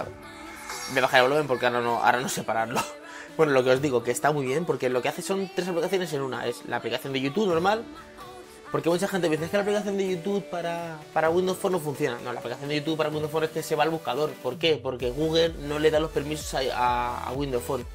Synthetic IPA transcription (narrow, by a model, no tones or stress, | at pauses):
beβaxaɾaβloje̞mpoɾkeaɾano̞ʔa̰ɾano̞se̞paɾaɾlo | bwe̞no̞lo̞ke̞o̞zðiɣo̞ke̞ːst̪amwuijβ̞je̞mpo̞ɾke̞lo̞ke̞aθe̞so̞nt̪ɾe̞saplikaθjo̞ne̞s̬e̞nuna̰ʔe̞sla̰ːplikaθjo̞nd̪eʝut̪uβno̞ɾmal | po̞ɾke̞mut͡ʃaxent̪eiθekelaplikaθjo̞nd̪e̞ʝut̪uβpaɾapaɾaɣwind̪osfo̞nːofun̟θjo̞nano̞laplikaθjond̪eut̪uβpaɾaɣwind̪ofone̞ske̞se̞βalβuskaðo̞ɾpo̞ɾke̞po̞ɾke̞ɣ̞uɣ̞e̞lno̞le̞ðalo̞spe̞ɾmiso̞̥saaa̰ɣwind̪o̞sfo̞n